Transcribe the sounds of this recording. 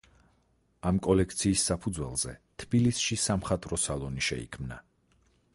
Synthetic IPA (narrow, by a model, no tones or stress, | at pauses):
amkʼɔlɛk̚ʰt̪sʰiːsːapʰud̪zwɛlˠz̥ɛt̪ʰbilisʃisamχat̪ʼɾɔsalˠɔniʃɛ̰ḭkʰmna̰